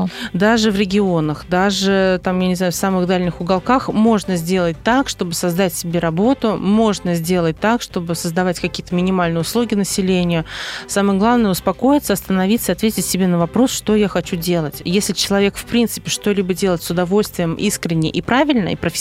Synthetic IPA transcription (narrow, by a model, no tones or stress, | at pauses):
d̪aʐɨvɾʲɪɡʲɪo̞nəxd̪aʐɨt̪amjanʲɪzajʊfsamɨɣd̪alʲnʲɪxʊɡɐlˠkaxmo̞ʐnəzʲdʲe̞lˠət̚ʲt̪akʂt̪o̞bɨsɐzd̪atʲsʲɪbʲe̞ɾɐbo̞t̪ʊmo̞ʐnəzʲdʲe̞lˠət̚ʲt̪akʂt̪o̞bɨsəzd̪ɐvatʲkɐkʲijət̪əmʲɪnʲɪmalʲnɨjəʊslˠuɡʲɪnəsʲɪlʲenʲɪjʊsamɨjɡlˠavnəjəʊspɐko̞jɪt̪səɐst̪ənɐvʲit̪səɨɐt̪vʲetʲɪtʲsʲɪbʲenəvɐpɾo̞sʂt̪o̞jaxɐt͡ɕudʲe̞lˠətʲjesʲlʲɪt͡ɕɪlˠɐvʲe̞kfpɾʲint̪sɨ̥pʲɪʂt̪o̞lʲibədʲe̞lˠətʲsʊd̪ɐvo̞lʲst̪vʲɪjəmʔḭskɾʲɪnʲːɪ̰ʔipɾavʲɪlʲnə̰ḭpɾəfʲ